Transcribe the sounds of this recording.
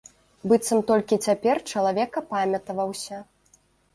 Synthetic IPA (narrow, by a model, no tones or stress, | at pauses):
bɨt̪sɐmt̪ɔlʲkʲit͡sʲapʲɛrt͡ʂɐlˠavʲɛkɐpamʲɐt̪ɐvɐwsʲɐ